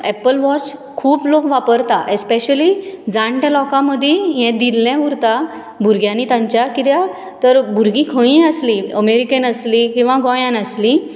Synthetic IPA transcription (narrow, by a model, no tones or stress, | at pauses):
ɛpəlʋɔt͡ɕ | kʰuːplokʋapəɾt̪aʔespeɕəlid͡zãɳʈɛ̃lɔkãməd̪ʱːjeɦɛ̃d̪ilːɛ̃ʋuɾt̪a | bʱuɾɡjãnit̪ãɲt͡ɕjakit̪ja | t̪əɾbʱuɾɡĩkʰə̃ĩəsliəmeɾikənəslikĩw̃ʋaɡɔjãnəsli